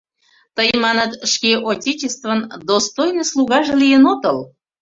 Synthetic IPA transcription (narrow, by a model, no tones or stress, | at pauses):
t̪əjmɑnət̪ʃkʲeʔotʲet͡ɕest̪vənd̪ost̪ojnəslˠuɣɑʒĕlʲijənot̪əl